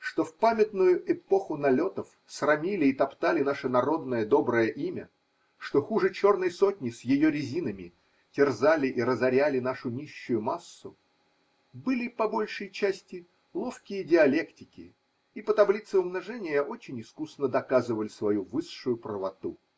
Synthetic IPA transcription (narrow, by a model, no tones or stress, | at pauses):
ʂt̪o̞fpamʲɪt̪nʊjʊɛpo̞xʊnɐlʲo̞t̪əf | srɐmʲilʲɪːt̪ɐpt̪alʲɪnaʂənɐɾo̞d̪nəjəd̪o̞bɾəjəʔimʲə̰ | ʂt̪o̞xuʐɨt͡ɕo̞rnəjso̞tʲnʲɪsjɪjoɾʲɪzʲinəmʲɪ | tʲɪrzalʲɪʔiɾəzɐɾʲælʲɪn̪aʂʊnʲiɕːʊjʊmasːʊ | bɨlʲɪpɐbo̞lʲʂɨjt͡ɕæsʲtʲɪ | lˠo̞fkʲɪjədʲɪɐlʲe̞ktʲɪkʲɪ̰ | ipət̪ɐblʲit̪sɨʊmnɐʐɛnʲɪjaʔo̞t͡ɕɪnʲɪskusnəd̪ɐkazɨvəlʲɪsvɐjuvɨʂʂʊjʊpɾəvɐt̪u